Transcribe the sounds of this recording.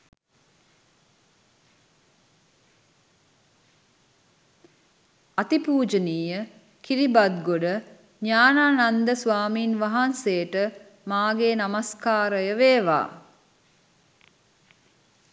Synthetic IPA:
at̪ipuːd͡ʒəniːjə | kiɾibad̪ɡoɖə | ɲaːnaːnand̪əsʋaːmiːnʋaɦanseːʈə | maːɡeːnamaskaːɾəjəʋeːʋa̰ː

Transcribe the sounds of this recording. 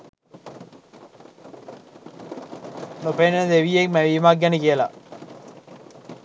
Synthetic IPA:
nopend̪eʋijek̚mæʋiːmak̚ɡænikijəla

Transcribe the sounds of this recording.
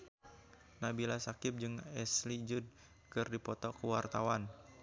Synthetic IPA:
nabilasakɪp̚d͡ʒɨŋɛslid͡ʒud̚ | kɨrdipɔt̪ɔkəwart̪awan

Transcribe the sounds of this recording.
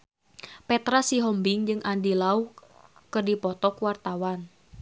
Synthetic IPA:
pɛt̪ɾasiɦɔmbɪŋd͡ʒɨŋʔandilau | kɨrdipɔt̪ɔkwart̪awan

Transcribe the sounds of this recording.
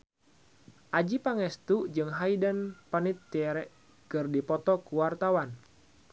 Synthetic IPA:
ʔad͡ʒipaŋɛst̪ud͡ʒɨŋɦaidənpanit̪ːiɛɾɛʔ | kɨrdipɔt̪ɔkuwart̪awan

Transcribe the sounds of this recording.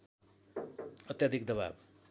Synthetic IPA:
ʌt̪jad̪ʱik̚d̪ʌba̰b

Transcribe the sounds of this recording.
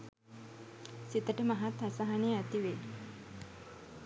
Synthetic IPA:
sit̪əʈəmaɦat̪asaɦaneat̪iʋe

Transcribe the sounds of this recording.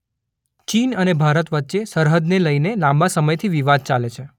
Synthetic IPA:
t͡ʃinənebʱaɾət̪ʋət̪ːʃesəɾɦəd̪neləjnelãmbasəməjt̪ʰiʋiʋad̪̚t͡ʃalet͡ʃʰe

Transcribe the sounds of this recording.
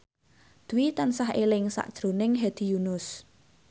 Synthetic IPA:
d̪̥uwit̪ansahelɪŋsa̰ʔd̥ʒ̥ɾonɪŋɦed̪̥ijunʊs

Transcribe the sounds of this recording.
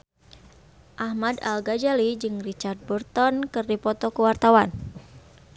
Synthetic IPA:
ʔahmada̰lɡad͡ʒalid͡ʒɨŋrit͡ʃard̪̚bərt̪ɔnkɨrdipɔt̪ɔkuwart̪awan

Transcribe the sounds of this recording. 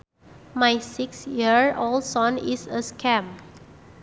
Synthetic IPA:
majsiksjiəɹolsɔ̃nisəskʰɛ̃m

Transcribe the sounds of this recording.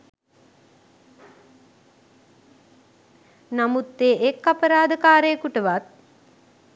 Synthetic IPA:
namut̪ːeːʔekːapəɾaːd̪əkaːɾejːkuʈəʋat̪̚

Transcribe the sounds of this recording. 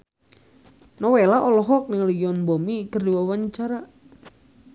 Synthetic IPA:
nɔwelaʔɔlɔɦɔk̚niŋlujɔnbɔmikərdiwawaɲt͡ʃaɾa

